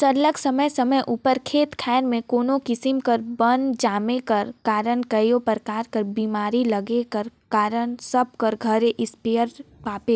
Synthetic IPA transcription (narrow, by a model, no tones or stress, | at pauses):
sɐɾləksɐməjsəməjʔuːpəɾkʰeːt̪kʰɛːɾmẽkoːnokɪsɪmkəɾbənd͡ʒaːmekəɾkaːɾənkɐjopəɾkaːɾkəɾbiːmaːɾilɐɡekəɾkaːɾənsɐb̚kəɾɡʱəɾeʔɪspijəɾpaːpe